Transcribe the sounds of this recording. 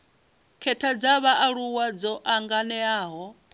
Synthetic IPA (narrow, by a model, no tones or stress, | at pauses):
kʰɛtʰad͡zaβaʔaɺuwad͡zɔʔaŋɡanɛaːɦɔ